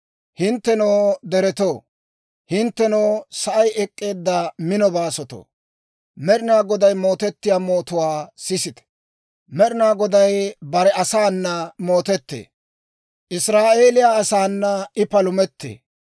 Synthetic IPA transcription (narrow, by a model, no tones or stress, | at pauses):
hɪnt̪ːɛnoːd̪ɛɾɛt̪oː | hɪnt̪ːɛnoːsɐʔɐjʔɛkʼːe̞ːd̪ːɐmɪnɔbaːsɔt̪o̰ː | mɛɾɪnaːɡɔd̪ɐjmo̞ːt̪ɛt̪ːɪjaːmo̞ːt̪ʊwaːsɪsɪt̪ɛ̥ | mɛɾɪnaːɡɔd̪ɐjbɐɾɛɐsaːnːɐmo̞ːt̪ɛt̪ːḛː | ʔɪsɾaːʔe̞ːlɪjaːsaːnːɐɪpɐlʊmɛt̪ːḛː